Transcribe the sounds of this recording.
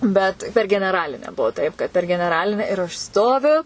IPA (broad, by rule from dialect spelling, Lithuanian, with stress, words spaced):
ˈbʲɛt pʲɛr ɡʲɛnʲɛˈrɑːlʲɪnʲæː ˈbuɔ tɐɪp kɐt pʲɛr ɡʲɛnʲɛˈrɑːlʲɪnʲɛ ɪr ɐʃ ˈstoːʋʲʊ